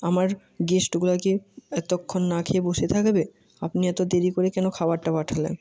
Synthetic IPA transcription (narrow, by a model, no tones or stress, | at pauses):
amaɾ | ɡesʈɡulakeɛt̪okʰːonːakʰeboʃet̪ʰakbe | apniɛt̪od̪eɾikoɾekɛnokʰabaɾʈapaʈʰalḛn